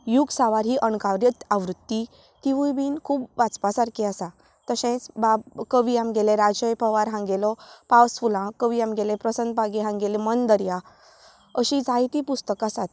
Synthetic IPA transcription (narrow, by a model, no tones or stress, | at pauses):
juɡsaʋaɾɦiːʔəɳkaʋɾjət̪aʋɾut̪ːi | t̪iʋujbiːnkʰuːpʋat͡spasaɾkʰiasa | t̪əɕɛ̃t͡sbabkəʋiamɡelẽɾad͡ʑəjpəʋaɾɦãŋɡelɔpawsfulãkəʋiamɡelẽpɾəsənd̪̚baɡiɦãŋɡelemənd̪əɾja | əɕid͡zajt̪ipust̪əkasat̪